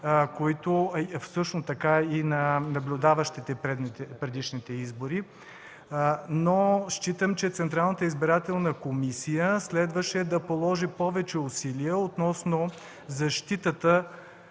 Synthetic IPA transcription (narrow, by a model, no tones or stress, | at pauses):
koit̪ofsɤʃnost̪ɐkainɐnɐblʲʊd̪avəʃt̪it̪ɛpɾɛd̪nɛpɾɛd̪iʃnit̪ɛizboɾi | noʃt͡ʃit̪əmt͡ʃɛt̪sɛnt̪ɾalˠnət̪əizbiɾat̪ɛlˠnəkomisijəslɛd̪vəʃɛd̪ɐpolˠɔʒipɔvɛt͡ʃɛʊsiliəot̪nɔsno | zɐʃt̪it̪ət̪ə